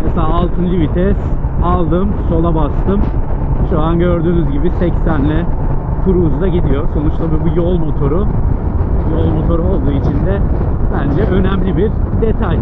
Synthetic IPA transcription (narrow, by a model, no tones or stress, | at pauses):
meselʲaːlˠt̪ʰɯnlʲivit̪ʰɛsalˠd̪ɯmso̞lˠabast̪ʰɯmʃuanɟøɾd̪yːnyzɟibisɛcsænlʲɛ | kʰuɾuzd̪aɟid̪ijo̞ɾso̞nut͡ʃlˠabɯbujo̞lˠmo̞t̪ʰo̞ɾu | jo̞lˠmo̞t̪ʰo̞ɾuo̞lˠd̪uːit͡ʃʰind̪ɛbænd͡ʒɛʔø̞næmlʲibiɾd̪et̪ʰaj